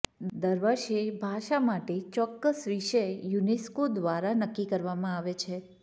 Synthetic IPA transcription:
d̪əɾʋəʃebʱaʃamaʈet͡ʃɔkːəsʋiʃəjuneskod̪ʋaɾanəkːikəɾʋamãaʋet͡ʃʰe

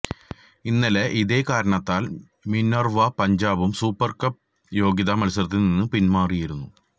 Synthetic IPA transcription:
inːɐleʔiðeːkaːɾɐɳɐt̪ːaːl | minorʋɐpɐɲd͡ʑaːbumsuːpːɐrkɐp̚ | jo̞ːɡjɐðɐmɐlusɐrt̪ːininːɨpinmaːrijiɾunːu

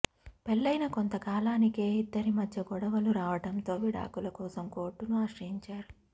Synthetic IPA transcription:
pelːɐjnɐkont̪ɐkaːlaːnike̞ːid̪ːɐɾimɐd̪ʱjɐɡɔɽɐʋɐluɾaːʋɐʈɐnt̪o̞ːʋiɽa̰ːkulɐkɔːsɐmko̞ːɾʈːunuaːʂɾɐɦiɲt͡ʃaːɾu

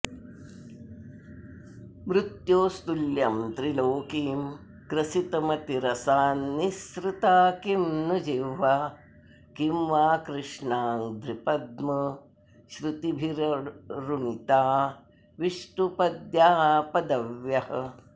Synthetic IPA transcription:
mɾut̪joːst̪uljɐmt̪ɾiloːkiːm | kɾɐsit̪ɐmɐt̪iɾɐsaːnːisɾɪt̪aːkimnud͡ʒiʋa | kimʋaːkɾɪʃɳaːnd̪ɾipɐd̪mɐ | ʃɾɪt̪ibʱiɾɾunit̪aː | ʋiʂʈupɐd̪jaːpɐd̪ɐʋjɐhɐ

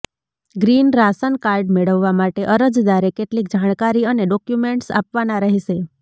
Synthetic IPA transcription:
ɡɾinɾasənkaɾɖmeɭəʋːamaʈeʔəɾəd͡ʒd̪aɾekeʈlik̚d͡ʒaɽ̃kaɾiəneɖɔkjumeɳʈsa̰pʋanaɾəɦiʃe

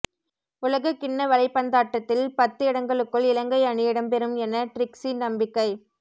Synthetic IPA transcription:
ʊlɐɣɐkɪɳːɐʋɐlɐɪpːɐnd̪aːʈːɐt̪ːɪlpɐt̪ːɯɪɽɐŋɡɐɭɯkːɯɭɪlɐŋɡɐɪɐɳɪjɪɽɐmpɛɾɯmɛnːɐʈɾɪksinɐmbɪkːɐɪ

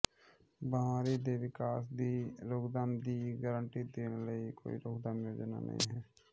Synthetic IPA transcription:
bəaːɾid̪eːʋɪkaːsd̪iɾoːɡd̪aːmd̪iːɡəɾəɳʈid̪eːnləiko̰ːḭɾoːɡd̪əmjoːd͡ʒna̰nʔə̰ɦḭ̃ɦɛː

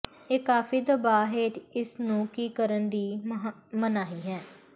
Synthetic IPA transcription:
eːkaːfiːd̪əbaːɦeːʈɪsnũːkiːkəɾənd̪iː | mənaːɦiːɦɛ̃ː

